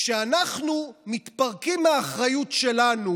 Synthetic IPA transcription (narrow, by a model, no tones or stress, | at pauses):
ʃeanaχnumit̪paʁkimaːχʁajutʃelanu